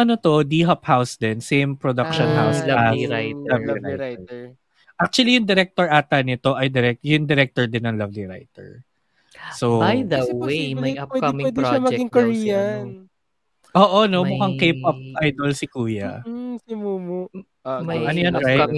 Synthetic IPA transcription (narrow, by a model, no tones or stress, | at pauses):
ʔɐnot̪o̞d̪iːɦɐphawsd̪ɛnsẽjmpɹod̪ɐkʃɔ̃nhawsajlɐvlɾaij̪ɛ | ʔak̚t͡ʃuɐlijʊŋd̪ɛɾɛk̚t̪oɹʔaːt̪ɐnɪt̪o̞ʔɐjd̪ɛɾɛkjʊŋd̪ɛɾɛk̚t̪oɹd̪ɪnɐŋlɐvliɹa̰jt̪ɛ̰ɹ | sowbajdɛeɛpwɛɪwɛːd̪ɪʃamɐɡɪŋkoɹiːɐnn | ʔoːʔonomʊkaŋkejp̚ɐp̚ʔajd̪olsɪkuːjɐsɪmuːmoʔ | ʔʔɐnojanɹaj̪